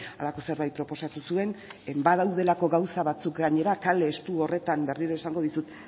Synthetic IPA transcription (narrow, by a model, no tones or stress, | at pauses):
alako̞se̞ɾβajt̪̚pɾo̞po̞sat̪usue̞nbaðawðe̞lako̞ɣawsaβat͡sukɡaɲe̞ɾakale̞ːst̪uo̞re̞t̪ambe̞riɾoesaŋɡo̞ð̞isut̪